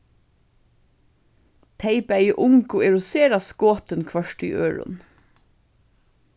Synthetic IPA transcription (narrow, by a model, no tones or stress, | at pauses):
t̪ʰeɪpæjɪʔʊŋkʊɛɹʊseːɾaskoːt̪ənkʰʋœʂʈy̰ʔøːɹʊ̰n